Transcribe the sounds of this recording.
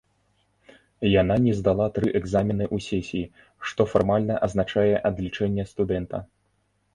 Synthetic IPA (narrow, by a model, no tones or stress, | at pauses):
jan̪anʲɛzd̪alˠat̪ɾɨʔɛɡzamʲinɨʔusʲɛsʲii | ʂt̪ɔfarmalʲnɐʔɐznat͡ʂajɛʔɐd̪lʲit͡ʂɛnʲːɛst̪ud̪ɛnt̪ɐ